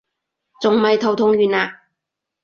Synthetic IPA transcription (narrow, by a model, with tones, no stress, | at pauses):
t͡sʊ˨ŋmɐ˨jt̪ʰo˨wt̪ʰʊ˧˥ŋɥyː˨naː˧